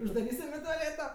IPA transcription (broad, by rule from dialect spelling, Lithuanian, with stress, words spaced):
ʊʒdɐˈrʲiːsʲɪm ɪ toːˈlʲeːtoː